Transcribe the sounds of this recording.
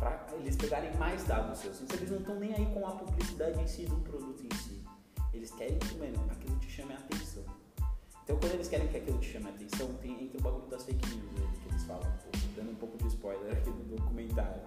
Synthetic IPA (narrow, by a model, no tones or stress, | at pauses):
pɾɐelɪspeɡaɾẽj̃majzd̪ad̪ʊsosẽt̪ɐ̃elɪzñw̃t̪ɐ̃w̃nẽj̃aikõɐpublisid̪ad͡ʒɪvẽsid̪ʊʊpɾod̪ut̪ʊẽsi | elɪskɛɾẽj̃komenõakilʊt͡ʃɪ̥ʃɐ̃mɪat̪ẽsɐ̃w̃ | ẽnt̪ɐ̃w̃kwɐ̃d̪ʊelɪskɛɾẽj̃kɪakilʊt͡ʃɪ̥ʃɐ̃mɪat̪ẽsɐ̃w̃t̪ẽj̃ẽnt̪ɾɪ̃ʊbaɡuʎʊd̪ɐsfejkinĩized̪ɪkɪelɪsfa̰lɐ̰̃w̃poẽd̪ɐ̃nd̪ʊũpowkʊd͡ʒɪspɔjleɾakid̪ʊd̪okumẽnt̪aɾjʊ